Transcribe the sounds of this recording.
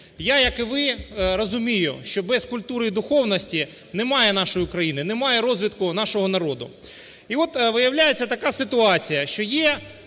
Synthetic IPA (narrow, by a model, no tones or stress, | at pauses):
jajɐkɪʋɪɾɔzʊmʲijʊʃt͡ʃɔbɛskʊlʲt̪uɾɪid̪ʊxɔwnɔsʲtʲi | nɛmɑjɛnɑʃɔjiʊkɾɐjinɪnɛmɑjɛɾɔzʲʋʲit̪kʊnɑʃɔɦɔnɐɾɔd̪ʊ̰ | iʋɔt̪ʋɪjɐwlʲajet͡sʲːɐt̪ɐkasɪt̪ʊɑt͡sʲijɐʃt͡ʃɔjɛ